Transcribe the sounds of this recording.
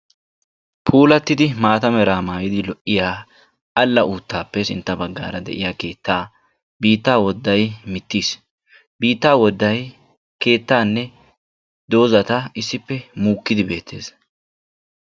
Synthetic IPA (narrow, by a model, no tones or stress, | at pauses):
pʰuːlɐt̪ːɪd̪ɪmaːt̪ɐmɛɾaːmaːjɪd̪ɪlɔʔːɪjaː | ʔɐlːɐʔuːt̪ːaːpːɛsɪ̰nt̪ːɐbɐɡːa̰ːɾɐd̪ɛ̰ʔɪ̰jaːke̞ːt̪ːaː | biːt̪ːaːwɔd̪ːɐjmɪt̪ːiːs | biːt̪ːaːwɔd̪ːɐj | ke̞ːt̪ːaːnːɛ | d̪o̞ːzɐt̪ɐɪsːɪpːɛmuːkːɪd̪ɪbe̞ːt̪ʰːe̞̰ːs